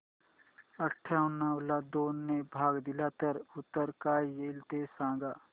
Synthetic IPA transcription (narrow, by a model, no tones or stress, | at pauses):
əʈʰːaʊnːaːwlad̪oːnːebʱaːɡd̪ɪlat̪əɾʊt̪ːəɾkaːjeːlt̪esãːɡaː